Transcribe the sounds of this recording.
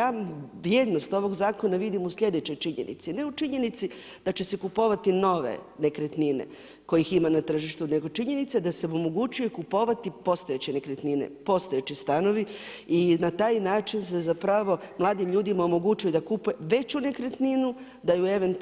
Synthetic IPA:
jaːʋɾje̞d̪no̞st̪o̞ʋo̞ɡzaːko̞naʋid̪imusʎʲe̞d̪et͡ɕo̞jt͡ʃiɲḛnʔḭt̪sine̞ut͡ʃiɲe̞nit̪si | d̪̥at͡ɕe̞se̞kupo̞ʋat̪ino̞ʋḛ | ne̞kɾet̪ninḛ | ko̞jiximanat̪r̩ʒiʃt̪une̞ɡo̞t͡ʃiɲe̞nit̪sed̪aseomoɡut͡ɕujekupo̞ʋat̪ipo̞st̪o̞jet͡ɕenekɾet̪ninḛpo̞st̪ojet͡ɕist̪ano̞ʋi | inat̪aːjnaːt͡ʃinsezapɾaʋo̞mlˠaːd̪imʎuːd̪imaomo̞ɡut͡ɕujud̪akupujeʋe̞t͡ɕune̞kɾet̪ninu | d̪ajueʋe̞nt̪

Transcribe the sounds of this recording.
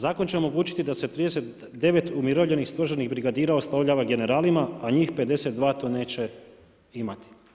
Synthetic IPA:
zaːkont͡ɕe̞o̞mo̞ɡuːt͡ɕi̥t̪id̪ase̞t̪ɾiːd̪e̞set̪ | d̪e̞ʋe̞t̪umiɾoʋʎe̞nixst̪o̞ʒaɾniɣbɾiɡad̪iːɾaoslˠoʋʎaːʋaɡe̞ne̞ɾaːlimaaɲiːxpe̞d̪e̞se̞t̪̚d̪ʋaːt̪one̞ːt͡ɕe̞ | imat̪i̥

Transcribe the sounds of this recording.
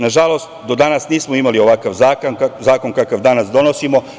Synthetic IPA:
naʒalˠo̞st̪d̪o̞d̪anasniːsmoimalio̞ʋakaʋzaːkonazaːko̞nkakaʋd̪anasd̪o̞nosimo̞

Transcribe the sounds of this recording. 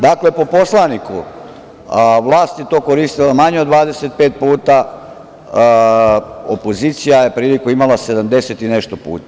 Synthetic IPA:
d̪akle̞po̞po̞slˠanikṵ | ʋlˠaːst̪jet̪o̞ːkoɾiːst̪ilamaɲeod̪ʋaːd̪e̞set̪̚pe̞ːt̪̚puːt̪a | opo̞ziːt̪sijaje̞pɾiːlikuimalase̞d̪amd̪e̞set̪ine̞ʃt̪opṵːt̪a

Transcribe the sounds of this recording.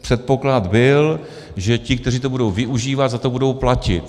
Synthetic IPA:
pr̝̥ɛt̪̚po̞klad̪bɪl | ʒɛcɪk̚t̪ɛr̝iːt̪o̞budo̞wvɪʔuʒiːvat̪zat̪o̞budo̞wplacɪt̪

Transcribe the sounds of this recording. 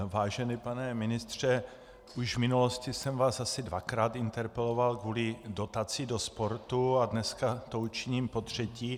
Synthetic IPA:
vaːʒɛnɪpanɛmɪnɪst̪r̝̥ɛ | uʒvmɪnuloscɪsɛmvaːsasɪdvakɾaːt̪ɪnt̪ɛɾpɛlo̞valkvuːlɪdo̞t̪at͡sido̞spo̞ɾt̪uadnɛskat̪out͡ʃiɲiːmpo̞t̪r̝̥ɛciː

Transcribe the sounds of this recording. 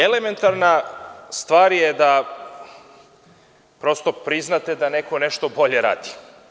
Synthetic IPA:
eleme̞nt̪aɾnast̪ʋaːɾjed̪a | pɾo̞st̪o̞pɾiznat̪e̞d̪aneko̞ne̞ʃt̪o̞bo̞ʎeɾa̰ːd̪i

